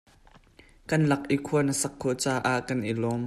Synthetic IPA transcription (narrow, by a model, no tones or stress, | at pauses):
kɐnlɐk̚ʔikʰuɐnəsɐkʰːɔt͡saːʔaʔkɐnʔilɔm